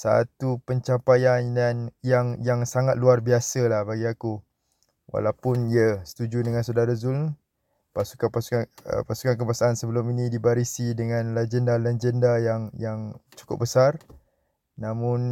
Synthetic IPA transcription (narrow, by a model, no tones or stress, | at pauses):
sa̰t̪upəɲt͡ʃampajandanjaŋjaŋsaŋat̪̚luarbiasəlahbaɡiaku | wa̰lawpʊniəsə̥t̪ud͡ʒudəŋãnsadaɾazul | pasu̥kapasu̥kaə̰pasu̥kank̬əbasaʔansəbəlʊminĩdibaɾisidəŋãnlad͡ʒəndalɛd͡ʒəndajaŋjaŋt͡ʃu̥kʊ̰p̚bəsar | nãmʊ̃n